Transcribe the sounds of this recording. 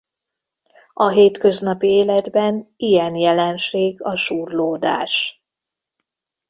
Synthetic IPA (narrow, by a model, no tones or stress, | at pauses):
ɒɦeːt̪kø̞znɒpieːlɛd̪bɛnijɛnjɛlɛnʃeːɡɒʃuːrloːd̪a̰ːʃ